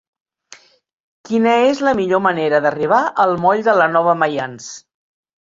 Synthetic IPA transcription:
kinəezləmiʎoməneɾəðəriβ̞aʔəlˠmɔʎðələnɔβ̞əməjans

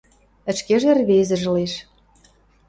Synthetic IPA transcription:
ə̆t͡ɕkeʒerβezə̆ʒ̆leʃ

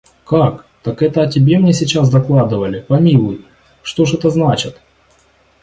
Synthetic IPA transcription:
kak | t̪ɐkɛt̪əɐtʲɪbʲe̞mnʲesʲɪt͡ɕasd̪ɐklˠad̪ɨvəlʲɪpɐmʲilˠʊj | ʂt̪o̞ʐɛt̪əznat͡ɕɪt̪

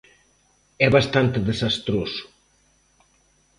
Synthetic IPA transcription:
ɛβast̪ant̪eðesast̪ɾosu̥

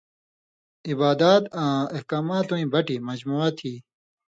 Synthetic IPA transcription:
ibaːd̪aːt̪ãːehkaːmaːt̪ũĩbɐʈimɐd͡ʑmuat̪ʰiː

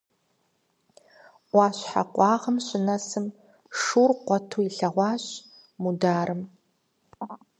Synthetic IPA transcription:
ʔʷɑːɕħa̰qʷʼɑːʁəmɕɪnɐsɨm | ʂuːrqʷɔtʰuːiɬɐʁʷɑːɕ | mudaːɾʔɨm

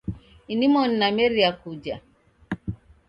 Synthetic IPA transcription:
inimɔnnamɛɾiakud͡ʒa̰

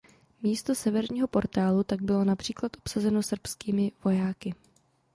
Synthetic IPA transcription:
miːst̪o̞sɛvɛɾɲiːɦo̞po̞ɾt̪aːlut̪aɡ̚bɪlo̞napr̝̥iːklat̪ʔopsazɛno̞sr̩pskiːmɪvo̞jaːkɪ

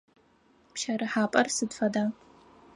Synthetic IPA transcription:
pʃɐɾɨħaːpʼɐrsɨdfɐdaː

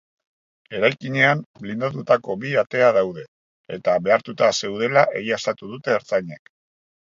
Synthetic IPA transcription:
e̞ɾajkiɲe̞amlind̪at̪ut̪ako̞biat̪e̞að̞awð̞e̞ | e̞t̪aβe̞aɾt̪ut̪ase̞wð̞e̞laʔe̞ɣiast̪at̪uð̞ut̪e̞ːɾt͡saɲe̞k

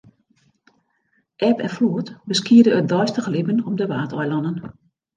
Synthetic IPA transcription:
ʔɛpɛnfluətbəskiədəːdɔjstəɣəlɪbənɔmdəʋaːtʰɔjlɔnən

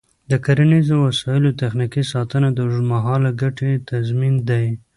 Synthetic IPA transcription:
d̪əkaɾanizowasɑjɪlot̪axnikisɑt̪ənad̪əmaɦɑlaɡaʈet̪azmind̪aj

